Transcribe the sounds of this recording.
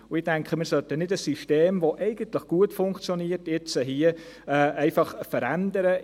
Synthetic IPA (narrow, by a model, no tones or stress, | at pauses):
ʊɪdæŋkχəmɪɾsœtənɪdəsːyʃteːmʋoʔɛɪɡ̥əntləχɡ̥uətfʊŋkt͡sjoniːəɾtjɪt͡səɦiə | ɛːɛɪfɑχfəɾændəɾə